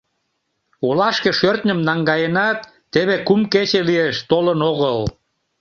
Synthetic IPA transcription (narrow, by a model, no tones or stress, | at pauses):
olɑʃkeʃørt̪nʲəmnɑŋɡɑjenɑt̪ːeβekumket͡ɕelieʃt̪olənoɣəl